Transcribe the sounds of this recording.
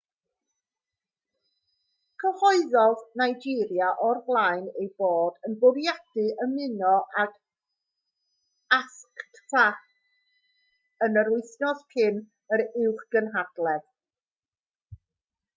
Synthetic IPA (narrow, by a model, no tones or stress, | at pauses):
kʰəhɔɨðɔðnajd͡ʒɪɾjaʔɔrvlˠajnejboːdənbʊɾjad̥ɨʔəmɪnɔʔak | askktʰa | ənəɾʊɨθnɔðpʰɪn | əɾɪwχɡ̥ənɦad̥lˠɛð